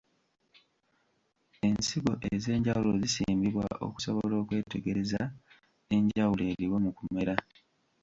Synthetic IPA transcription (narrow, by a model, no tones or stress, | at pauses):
e̞nsiɡo̞ʔeze̞ːɲɟawulo̞zisḭːmbiβwa̰ʔo̰ku̥so̞βolo̞ːkwe̞ːte̞ɡe̞ɾe̞za | e̞ɲɟawule̞ːɾiwemukume̞ɾa